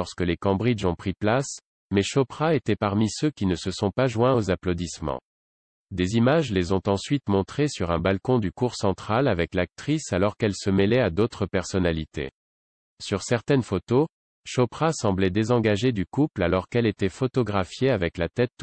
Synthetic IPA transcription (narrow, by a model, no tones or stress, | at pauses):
ɔʁskəlekɑ̃bʁid͡ʒɔ̃pχiplas | mɛʃɔpχaet̪ɛpaʁmisøkʲinəsəsɔ̃paʒwɛ̃ozaplod̪ismɑ̰̃ | d̪ezimaʒlezɔ̃t̪ɑ̃sɥit̪mɔ̃t̪χesyʁɛ̃balkɔ̃d̪ykuʁsɑ̃t̪χalavɛklak̚t̪χisalɔʁkɛlsəmɛlɛad̪ot̪χəpɛʁsɔnalit̪ḛ | syʁsɛʁt̪ɛnfot̪o | ʃɔpχasɑ̃blɛd̪ezɑ̃ɡaʒed̪ykuplalɔʁkɛlet̪ɛfɔt̪ɔɡʁafjeavɛklat̪ɛt̪̚